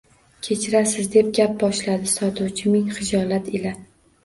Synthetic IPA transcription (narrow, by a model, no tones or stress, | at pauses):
kʲʰe̞t͡ʃʰɪɾasɪzd̪e̞p̚ɡʲap̚bɒʃlad̪ɪsɒt̪ʰuwt͡ʃʰɪmɪŋχɪd͡ʒɒlˠat̪ʰɪla